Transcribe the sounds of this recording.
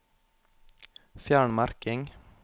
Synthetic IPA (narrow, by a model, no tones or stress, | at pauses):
fjæːɳmɑɾkɪŋ